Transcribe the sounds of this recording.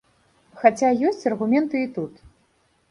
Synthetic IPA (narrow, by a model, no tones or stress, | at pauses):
xat͡sʲajɔsʲt͡sʲɐrɣumʲɛnt̪ɨit̪ut̪